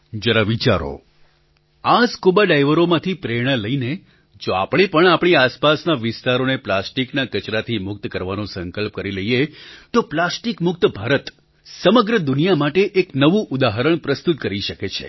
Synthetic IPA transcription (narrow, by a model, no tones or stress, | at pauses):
d͡ʒəɾaʋit͡ʃaɾo̰ | askubaɖajʋəɾomãt̪ʰipɾeɽ̃ələine | d͡ʒoa̰pɳ̃epəɳ̃apɳ̃iaspasnaʋɪst̪aɾoneplasʈiknakət͡ʃɾat̪ʰimʊk̚t̪kəɾʋanõsəŋkəlp̚kəɾiləijet̪oplasʈikmʊk̚t̪bʱaɾət̪ | səməɡɾəd̪ʊnijamaʈeʔeknəʋũʔʊd̪aɦəɾəɳ̃pɾəst̪ut̪̚kəɾiʃəket͡ʃʰḛ